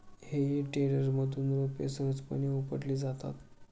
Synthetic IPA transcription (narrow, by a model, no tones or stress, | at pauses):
hejiʈeɽəɾməd̪ʱuːnɾopḛsəɦət͡spə̰ɽ̃iupəɽliːd͡zat̪a̰t̪